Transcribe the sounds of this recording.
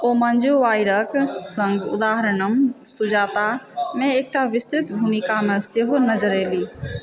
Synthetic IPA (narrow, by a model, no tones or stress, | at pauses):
omənd͡ʒoʋaiɾəksə̃ŋɡṵd̪aːɦəɾɳəmsud͡ʒaːt̪amẽeːk̚ʈaʋɪst̪ɾit̪bʱunikameseɦonəd͡ʒəɾeli